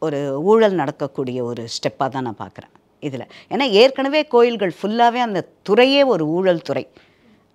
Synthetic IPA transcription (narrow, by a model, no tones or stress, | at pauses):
ɔɾɯuːɻɐlnɐɽɐkːɐkːuːɽɪjɐɔɾɯsʈɛpːaːt̪ãːnã̰ːpa̰ːɾkɪɾã̰ː | ɪðɪlɐ̰eːnːaːeːɾkɐɳɐʋeːkoːjɪlɣɐɭfʊlːaːʋeːɐnd̪ɐt̪ʊrɐjeːɔɾɯuːɻɐlt̪ʊrɐɪ